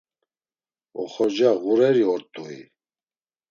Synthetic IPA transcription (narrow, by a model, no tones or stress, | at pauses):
ɔ̰χɔd͡ʒaɣuɾɛɾiɔɾt̪ʼuḭ